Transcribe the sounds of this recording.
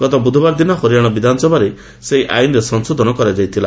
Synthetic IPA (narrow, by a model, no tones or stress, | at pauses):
ɡ̥ɔt̪ɔbud̪ʱɔbaɾd̪inɔɦoɾijaɽ̃ɔbid̪ʱanɔsɔbʱaɾe | seɦiʔa̰jnɾesɔnsod̪ʱɔnɔkɔɾad͡ʒajt̪ʰila̰